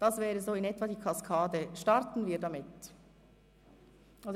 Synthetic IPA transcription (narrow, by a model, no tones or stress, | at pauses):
d̥ɑsvɛːɾəzoːɪnɛtvɑdiːkʰɑskʰɑːdəʃtɑɾtn̩viːɾdɑmɪt | ʔɑs